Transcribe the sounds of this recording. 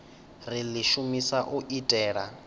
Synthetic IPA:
riliʃumisaʔuʔitʼɛːɺa̰

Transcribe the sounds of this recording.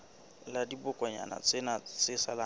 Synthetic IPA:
ladibʊkʼɔɲa̰na̰t͡sʼɪnat͡sʼɪsala

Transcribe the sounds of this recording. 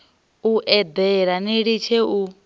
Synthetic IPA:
uʔɛd̪ɛɺaniɺit͡ʃʰeu

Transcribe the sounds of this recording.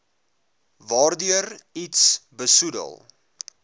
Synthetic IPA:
vɑːrdyəritsbəsudə̰lˠ

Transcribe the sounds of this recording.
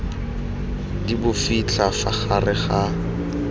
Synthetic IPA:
dibʊfit͡ɬʰafaχarɪχa

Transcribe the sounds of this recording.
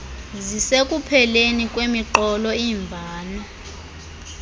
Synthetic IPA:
zisekʼupʰɛlenikʼwemiǃɔlɔiːɱbʱaːna

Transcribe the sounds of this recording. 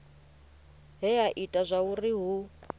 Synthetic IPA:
ɦɛaʔitʼazʷauriɦu

